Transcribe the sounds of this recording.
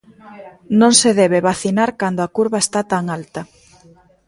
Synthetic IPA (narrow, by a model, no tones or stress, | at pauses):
nõŋseðɛβ̞eβaθinaɾkand̪oakuɾβaest̪at̪aŋalt̪ɐ